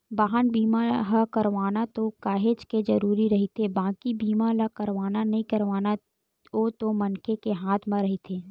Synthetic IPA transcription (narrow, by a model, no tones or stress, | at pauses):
baːɦənbiːmaɦakɐɾʋaːnat̪okaːɦeːt͡ʃked͡ʒɐɾuːɾiɾɐɦit̪ʰebãːkibiːmalakəɾʋaːnanɐɦĩkɐɾʋaːna | ot̪omɐnkekeɦaːt̪ʰmãɾɐɦit̪ʰeː